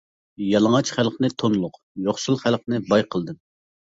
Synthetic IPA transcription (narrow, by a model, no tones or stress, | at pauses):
jɑlˠəŋɑt͡ʃχælˠqnɨt̪ʰonlˠʊq | joχsulˠχælˠqnɨbɑjqʰəlˠd̪ɨm